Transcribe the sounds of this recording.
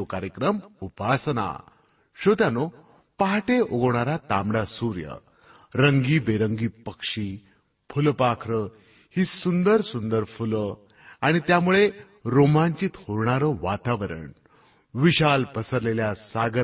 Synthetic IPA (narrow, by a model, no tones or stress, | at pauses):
okaɾjəkɾəmupasna̰ | ɕot̪jano | paɦaʈeʔoɡəʋɳaɾat̪amɽasuɾjə̰ | ɾəŋɡiːbeɾəŋɡiːpəkʂiː | fʰulpakʰɾə | hiːsund̪əɾsund̪əɾfulə | aɽ̃it̪jamuɭe | ɾomãɲt͡ɕiːt̪hoɾɳaɾəʋat̪aʋəɾə̰ɳ | ʋiɕalpəsəɾleljasaɡə